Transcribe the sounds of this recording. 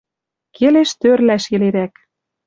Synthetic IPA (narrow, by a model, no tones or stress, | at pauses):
kʰeleʃt̪ørlæʃɘ̆leɾæk